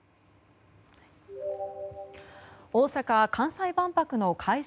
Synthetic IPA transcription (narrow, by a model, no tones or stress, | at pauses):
oːsakakʰãɰ̃saibãmpakɯ̟no̞kʰaiʑ